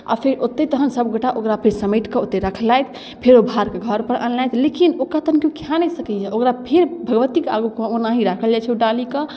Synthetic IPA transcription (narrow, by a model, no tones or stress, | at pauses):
a̰pʰeɾot̪ːet̪əɦənsəbɡoʈaʔokɾapʰeɾsəmiʈkeot̪ːeɾəkʰlajt̪ʰ | pʰeɾobʱaɾkeɡʱəɾpəɾʔənlajt̪ʰlekinokat̪ənkjukʰjanəsəkɛd͡ʒaokɾapʰeɾbʱəɡʋət̪ikea̰ɡukonaɦiɾakʰəld͡ʒat͡ʃʰɛoɖalike